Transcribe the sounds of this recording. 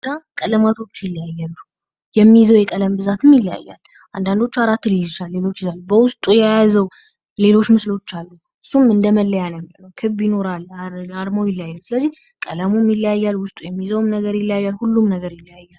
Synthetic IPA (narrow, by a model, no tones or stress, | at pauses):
d̪akʼələmat̪ʰo̞t͡ʃːjɪlːəjajːalːu | jɛmːizəwjɛkʼələmbɨzat̪ɨmjɪlja̰jːa̰l | ʔand̪and̪o̞t͡ʃːaɾat̪ːɨlit͡ʃalːe̞lo̞t͡ʃːɪzalːubəwʊst̪ʼujɛjazəw | le̞lo̞t͡ʃːmɨslo̞t͡ʃːalːu | ɨsːumɨnd̪əməlːəjanmlnəwkʰɨβbjino̞ɾalːad̪mawjɪljajːəwsɨləzːih | kʼələmumɪləjajːalwʊst̪ʼujɛmːizəwmnəɡəɾjɪlːjajːalhulːumnəɡəɾjɪlːəjajːal